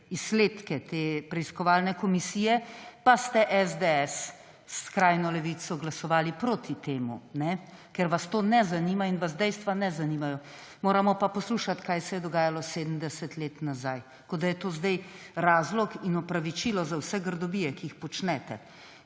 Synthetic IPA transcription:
isleːt̪kɛt̪eːpɾɛiskɔʋaːlnɛkɔmisijɛpast̪ɛʔɛzd̪eɛs | skɾajnɔlɛʋisɔɡlasɔʋaːlipɾoːt̪it̪eːmṵnɛkɛɾʋast̪onɛzanimainʋaz̬d̪ɛjst̪ʋanɛzanimajɔ | moːɾamɔpapɔsluːʃat̪kajsɛjɛd̪ɔɡaːjalɔseːd̪əm̩d̪ɛsɛt̪leːt̪nazaj | kod̪ajɛt̪oːzd̪ɛj | ɾaːzlɔkinɔpɾaʋit͡ʃilɔzawsɛɡəɾd̪ɔbiːjɛkiixpɔt͡ʃnɛt̪ɛ̰

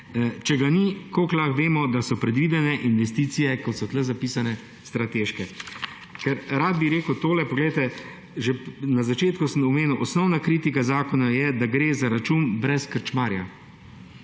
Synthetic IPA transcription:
t͡ʃɛɡanikoklaxʋeːmɔd̪asɔpɾɛd̪ʋiːd̪ɛnɛʔinʋɛst̪iːt̪sijɛkɔt̪sɔt̪lɛzapiːsanɛ | st̪ɾat̪eːʃkɛ | kɛɾɾad̪̚biɾeːkəwt̪oːlɛpɔɡlejt̪ɛ | ʒɛnazat͡ʃeːt̪kusəmɔmeːnuwʔɔsnɔwnakɾiːt̪ikazaːkɔnajɛd̪aɡɾeːzaɾat͡ʃunbɾɛskəɾt͡ʃmaːɾja̰

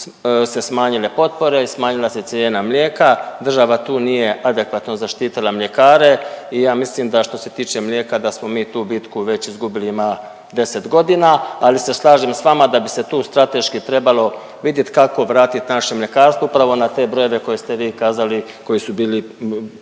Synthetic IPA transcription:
se̞smaːɲile̞po̞t̪̚po̞ɾe̞ismaːɲilˠase̞t̪sjeːnamʎʲeːkad̪r̩ʒaʋat̪uːnije̞ʔad̪e̞kʋat̪no̞zaʃt̪iːt̪ilˠamʎʲe̞kaːɾe̞ijaːmislimd̪aʃt̪o̞se̞t̪iːt͡ʃe̞mʎʲe̞ːkad̪asmo̞miːt̪uːbit̪kuʋe̞t͡ɕizɡubiliima | d̪e̞se̞t̪ɡo̞d̪inaːlise̞slˠaːʒimsʋamad̪abise̞t̪uːst̪ɾat̪e̞ʃkit̪ɾe̞balo̞ | ʋid̪je̞t̪kako̞ʋɾaːt̪it̪naʃemʎe̞kaːɾst̪ʋoupɾaʋo̞nat̪e̞bɾo̞je̞ʋe̞ko̞jest̪e̞ʋiːkaːzali | ko̞jisubiːli

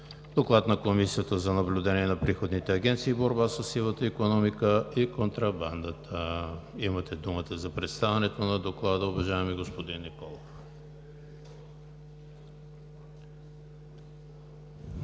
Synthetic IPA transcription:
d̪̥oklˠat̪nɐkomisiət̪əzɐnɐblʲʊd̪ɛniɛnɐpɾixod̪nit̪ɛɐɡʲɛnt̪siːboɾbasəsilˠət̪əikonɔmikəikont̪ɾɐband̪ət̪ʰəimɐt̪ɛd̪umət̪əzɐpɾɛt̪st̪avɛnɛt̪onɐd̪oklˠad̪əʊvɐʒaɛmiɡospod̪inːikɔlˠof

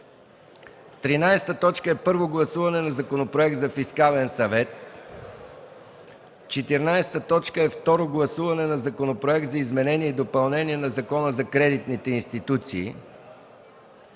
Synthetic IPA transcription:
t̪ɾinajst̪ət̪ɔt͡ʃkəɛpɤɾvoɡlˠɐsuvɐnɛnɐzɐkonopɾoɛkt̪d̪zɐfiskalɛnsɐvɛt̪ | t͡ʃɛt̪iɾnajst̪ət̪ɔt͡ʃkəɛft̪ɔɾoɡlˠɐsuvɐnɛnɐzɐkonopɾoɛk̚t̪zɐizmɛnɛniɛid̪opɐlˠnɛniɛnɐzɐkɔnəzɐkɾɛd̪it̪nit̪ɛinst̪it̪ut̪siː

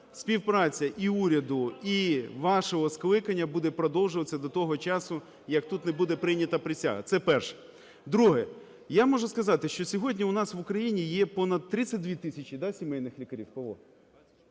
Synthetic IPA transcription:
sʲpʲiwpɾɑt͡sʲɐʔiuɾʲɐd̪ʊiʋɑʃɔɦɔsklˠɪkɐnʲːɐbud̪ɛpɾɔd̪ɔwʒʊʋɐt͡sʲːɐd̪ɔt̪ɔɦɔt͡ʃɑsʊ | jɐkt̪ut̪nebud̪ɛpɾɪnʲɐt̪ɐpɾɪsʲa̰ɦɐ̰t̪sɛpɛrʃɛ̥ | d̪ɾuɦɛ | jamɔʒʊskɐzɑt̪ɪʃt͡ʃɔsʲɔɦɔdʲnʲiʊnɑsʋʊkɾɐjinʲijɛpɔnɐd̪̚t̪ɾɪt͡sʲːɐt̚ʲd̪ʲʋʲit̪ɪsʲɐt͡ʃʲid̪ɑsʲimɛjnɪxlʲikɐɾʲiwkɐʋɔ̰

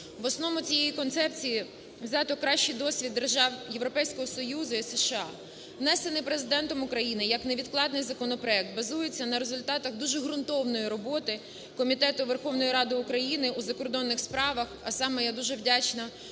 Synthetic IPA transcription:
ʋɔsnɔmʊt͡sʲijejikɔnt̪sɛpt͡sʲiji | wzʲɑt̪ɔkɾɑʃt͡ʃijd̪ɔsʲʋʲid̪ːerʒɑwje̞ʋɾɔpɛjsʲkɔɦɔsɔjuzʊiseʃɪɑ | ʋnɛsenɪjpɾezɪd̪ɛnt̪ɔmʊkɾɐjinɪjɐkneʋʲid̪̚klˠɑd̪nɪjzɐkɔnɔpɾɔɛk̚t̪̚bɐzujet͡sʲːɐnɐɾe̞zʊlʲt̪ɑt̪ɐɣd̪uʒɛɦɾʊnt̪ɔʋnɔjiɾɔbɔt̪ɪ | kɔmʲit̪ɛt̪ʊʋerxɔʋnɔjiɾɑd̪ɪʊkɾɐjinɪʔuzɐkɔrd̪ɔnːɪxspɾɑʋɐxɐsɑmɛjad̪uʒɛʋdʲat͡ʃnɐ

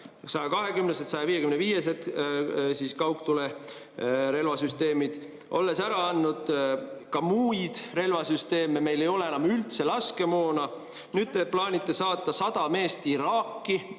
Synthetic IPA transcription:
sɑjɑkɑɦe̞kymneset̪sɑjɑviːjekymneviːjes̬et̪siːskɑwkt̪ule̞ | ɾe̞lvɑsyst̪e̞ːmid̪̥ | ʔo̞̰lːe̞sæɾɑɑnːud̪̥kɑmuːjd̪̥re̞lvɑsyst̪e̞ːmeme̞jlejo̞leenɑmylt̪se̞lɑske̞mo̞ːnɑ | nyːd̪̥̚t̪eplɑːnʲit̪ːˑe̞sɑːt̪ˑːɑsɑd̪̥ɑme̞ːst̪iɾɑːkːi

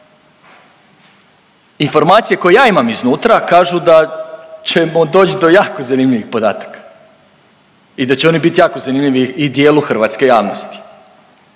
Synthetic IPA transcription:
info̞ɾmaːt̪sije̞ko̞jejaːimamiznuːt̪ɾakaːʒud̪at͡ɕe̞mod̪o̞ːt͡ɕid̪o̞jaːko̞zanimʎʲiʋixpo̞d̪a̰ːt̪ḁkḁ | id̪at͡ɕeo̞nibit̪jaːkozanimʎʲiʋiːd̪je̞ːluxr̩ʋaːt̪ske̞jaːʋnost̪i̥

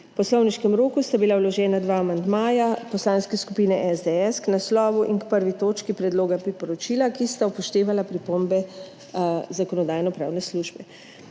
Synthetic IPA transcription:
pɔslɔwniʃkɛmɾoːkust̪abilawlɔʒɛːnad̪ʋaːmand̪maːjapɔslanskɛskupiːnɛʔɛzd̪ɛɛsknaslɔːʋuʔinkpəɾʋit̪oːt͡ʃkipɾɛd̪loːɡapɾipɔɾɔt͡ʃiːlakist̪aupɔʃt̪eːʋalapɾipoːmbɛ | zakɔnɔd̪aːjnɔpɾaːwnɛsluʒbɛ

